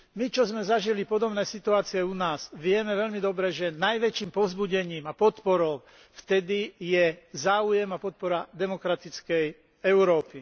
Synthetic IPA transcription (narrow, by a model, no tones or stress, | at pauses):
mit͡ʃɔzmɛzaʒilipɔd̪ɔbnɛːsit̪uaːt͡siɛunaːz̥ʋɪɛmɛʋɛʎmid̪ɔbɾɛʒɛnajʋɛt͡ʃiːmpɔvzbuɟɛɲiːmapɔt̪pɔɾɔʊ | ft̪ɛd̪ijɛzaːujɛmapɔt̪̚pɔɾad̪ɛmɔkɾat̪it͡skɛj | ɛʊɾɔːpi